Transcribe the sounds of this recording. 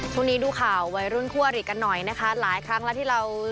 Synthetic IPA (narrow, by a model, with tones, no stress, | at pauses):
t͡ɕʰu˥˩ŋniː˦˥duː˧kʰaː˨˩wːa˧jɾu˥˩nkʰu˥˩ɐɾi˨˩ka˧nːɔ˨˩jna˦˥kʰa˦˥laː˩˦jkʰɾa˦˥ŋlɛ˦˥t̪ʰiː˥˩ɾa˧w